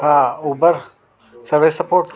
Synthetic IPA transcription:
auːbəɾ | sɐɾʋesɐpoːɾʈ

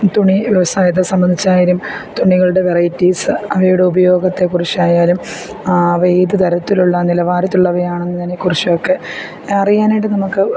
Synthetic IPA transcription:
t̪uɳiʋiʋɐsaːjit̪̬ːɐsɐmbɐnd̪ʱit͡ɕːaːjiɾumt̪uɳiɣɐɭuɽe̞ʋerɐjtːiːsɨɐʋɐjuɽe̞ubɐjo̞ːɡɐt̪ːe̞kurit͡ɕːaːjaːlumː | ʋejd̪ɨd̪ʱɐɾɐt̪ːiluɭːɐnilɐʋaːɾɐt̪ːuɭːɐʋɐjaːɳenːɨnɐnekurit͡ɕːɐjokːe̞ | ɐrijaːniʈːɨnɐmukːɨ

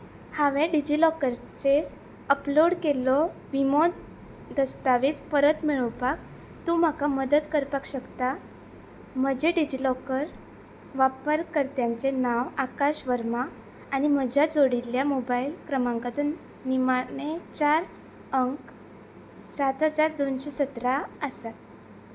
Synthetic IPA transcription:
haʋeɖid͡ʑilɔkəɾ | t͡ɕe | əploɽkelɔʋimod̪ | d̪əst̪aʋit͡spəɾət̪miɭəʋpak̚ | t̪um̤akaməd̪əd̪kəɾpakɕəkt̪a | m̤əd͡ʑeɖid͡ʑilɔkəɾ | ʋapəɾkəɾt̪jaɲt͡senaʋakaɕʋəɾmaː | ñim̤əd͡ʑʱjad͡zoɽiljamobailkɾəmãŋkad͡zun | ʋimaɳet͡ɕaɾ | əŋk | sat̪ɦəd͡zaɾd̪onɕesət̪ɾaəsat̪

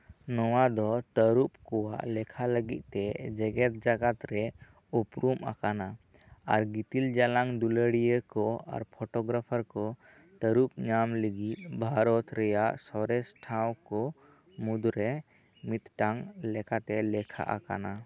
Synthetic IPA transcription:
nɔwad̪ɔt̪əɾup̚kɔwaʔlɛkʰaləɡit̪̚ˀt̪ɛd͡ʒɛɡɛt̪̚d͡ʒaɡat̪ɾɛ | upɾuma̰kana | aɾɡit̪ild͡ʒalaŋd̪uləɽijəkɔa̰ɾpʰɔʈɔɡɾapʰaɾkɔ | t̪əɾup̚ɲamləɡit̪̚ˀbʱaɾɔt̪ɾɛjaʔsɔɾɛsʈʰawkɔ | mud̪ɾɛ | mit̪ʈaŋlɛkat̪ɛlɛkʰa̰ʔa̰ka̰na

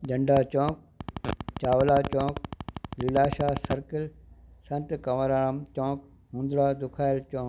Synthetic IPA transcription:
d͡ʒɐ̃ɳɖat͡ɕɔ̃ːk̚t͡ɕaːʋlaːt͡ɕɔ̃ːklilaːʃaːsɐɾkəlsɐ̃nt̪kɐʋəɾaːɾəmt͡ɕɔ̃ːk | ɦũːnd̪ɾaːd̪ʊkʰaːɪlt͡ɕɔ̃ːk

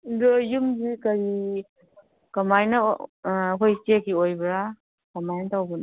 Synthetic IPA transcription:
dojumbikɐɾi | kɐmajnɐ | ɦojsekʰiojbɾa | kɐmajnɐtawbɯn

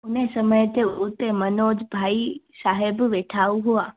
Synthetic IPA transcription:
ʊnesəməjt̪eut̪emənoːd͡ʒbʱaːi | saːɦebʋeʈʰauɦʊa

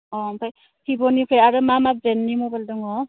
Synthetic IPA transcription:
ɔmpʰaj | hibɔnikʰɯjaɾɯmamabɾenːimubaldɔŋɔ

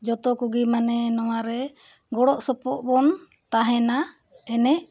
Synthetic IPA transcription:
d͡ʒɔt̪ɔkuɡimanɛnɔwaɾɛ | ɡɔɽɔʔsɔpɔʔbɔn | t̪aɦɛna | ɛnɛʔ

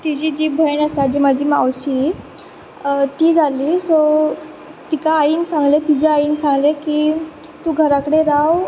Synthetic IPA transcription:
t̪id͡ʑiːd͡ʑiːbʱəjɳəsad͡ʑimad͡ʑʱiːmawɕiː | t̪iːd͡zʱaliːso | t̪ikaːiːnsãŋɡlet̪id͡ʑeaiːnsãŋɡlekiː | t̪uːɡʱəɾakəɽeɾaw

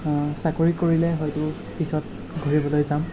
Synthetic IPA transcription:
sakoɹikoɹilɛɦɔjtʊ | pisɔt̚ | ɡʱoɹibɔlojzam

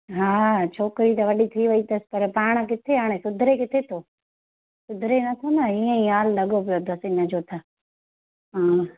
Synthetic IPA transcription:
ɦaːt͡ʃʰoːkɾit̪ɐʋɐɗit̪ʰiːʋəiːt̪əspɐɾpaːɽ̃ək̬ɪt̪ʰeaːɽ̃esʊd̪ʱɾekɪt̪ʰet̪ʰoː | sʊd̪ʱɾenɐt̪ʰonəiə̃ĩːaːlːɐɠopɪjot̪osĩnɐd͡ʒoːt̪ʰaː | ɦaː

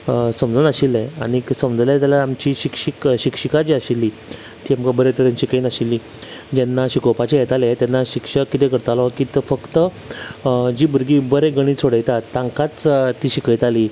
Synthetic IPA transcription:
səmd͡zəːnəɕileaɽ̃iksəmd͡zljat̪alaamt͡ɕiɕikɕikɕikʂikad͡ʑiaɕilːi | t̪iːamkabəɾet̪əɾenɕikənaɕilːiː | d͡ʑɛnːaɕikopat͡ɕejɛt̪alet̪janːaɕikʂəkːit̪ekəɾt̪alɔkit̪fəkt̪ə | d͡ʑiːbəɾɡiːbəɾeɡəɽ̃iːt͡sʰoɽəjt̪at̪ːãŋkat͡st̪ːiːɕikəjt̪ali

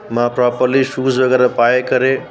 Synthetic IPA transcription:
mãpɾɔpəɾliʃuːzʋɐɡɛːɾapaːekɐɾe

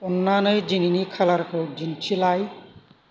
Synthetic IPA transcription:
ʊnːanojd͡ʒininikʰalaɾkʰowd͡ʒint͡ʃʰilaj

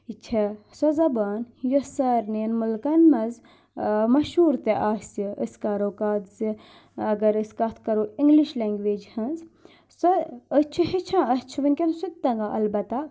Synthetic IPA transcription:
it͡ʃʰesɔzɐbaːnjosɐɾneːnmulkɐnmɐz | mɐʃuːɾt̪eʔaːsiʔəskaːɾoːkaːd̪zi | ɐɡɐɾiskɐt̪ʰkɐɾoːiŋɡliʃleːŋɡʋeːd͡ʒhɐnz | sɔət͡ʃʰihit͡ʃʰãːɐst͡ʃʰiʋɐnʲkʲensut̪ːɐŋɡaʔɐ̰lbɐt̪a

